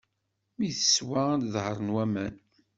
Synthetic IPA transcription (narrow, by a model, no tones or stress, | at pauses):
miθə̥swaðhəɾˤənwæmæn